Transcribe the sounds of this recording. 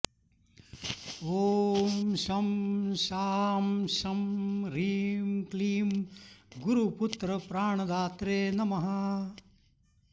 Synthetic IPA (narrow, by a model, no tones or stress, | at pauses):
oːmʃɐmʃaːmʃɐmɾiːmkliːmɡuɾuput̪ɾɐpɾaːɳɐd̪aːt̪ɾeːnɐmɐɦa